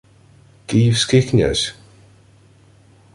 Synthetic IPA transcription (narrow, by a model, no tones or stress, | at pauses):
ɡ̥iːvskɪknʲə̰s